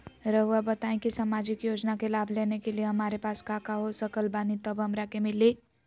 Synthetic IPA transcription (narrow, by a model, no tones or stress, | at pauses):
ɾəɦuabət̪aẽkisəmaːd͡ʒɪkjoːd͡ʒnakelaːbʱlenekelieɦəmaːɾepaːskakaɦosəkəlbaːnit̪əbʱɦəmɾakemɪlːi